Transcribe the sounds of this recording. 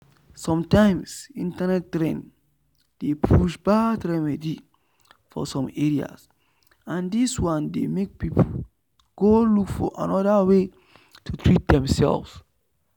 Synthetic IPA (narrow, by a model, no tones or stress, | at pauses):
sɔ̃mtãɪ̃msĩntanɛtːɹɛ̃n | d̥epʰuʃbadɹɛmɛdi | fɔ̰sɔ̃meɹia̰s | ãndiswãndemek̚pipʰo | ɡ̥olukfɔʔa̰nɔdawe | tʰutʰɹit̚dɛ̃msɛ̰lvs